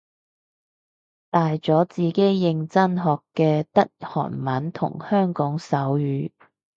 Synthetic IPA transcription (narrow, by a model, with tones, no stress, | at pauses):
t̪aː˨jt͡sɔː˨˥t͡siː˨˩ke˨˥jːɪ˧ŋt͡sɐ˥nɦɔː˨kːɛː˧t̪ɐ˥t̚hɔ̰ː˨˩nmɐ˨˥nt̪ʰʊ̰˨˩ŋhœː˥ŋkɔː˨˥ŋsɐ˨˥wjyː˨˧˥